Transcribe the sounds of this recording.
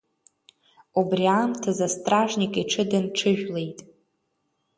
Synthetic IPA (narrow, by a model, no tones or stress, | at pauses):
ubriamtʰazastʼraʐnikʼiʈ͡ʂʰɨdanʈ͡ʂʰɨʒᶣle̞jtʼ